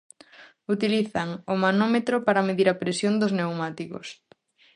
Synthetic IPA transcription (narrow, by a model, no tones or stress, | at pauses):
ut̪iliθaŋomanomet̪ɾopaɾɐmeðiɾɐpɾesjond̪ʊznewmat̪iko̰s